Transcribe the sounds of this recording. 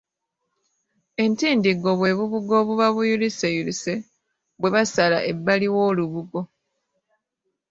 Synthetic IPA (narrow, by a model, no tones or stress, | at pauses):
e̞ntiːndiɡo̞βwe̞βuβuɡo̞ːβuβaβujulisejulise | βwe̞βasala̰ʔe̞bːaliwo̞ːluβuɡo̞